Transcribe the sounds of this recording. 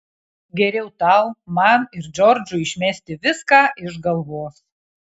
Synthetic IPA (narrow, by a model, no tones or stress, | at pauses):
ɡʲɛɾʲɛʊt̪ɐlˠmɐnɪɾd͡ʒʲɔɾʲd͡ʒʊɪʃʲmʲæsʲt̪ʲɪʋʲɪskɑːʔɪʒɡɐlˠʋoːs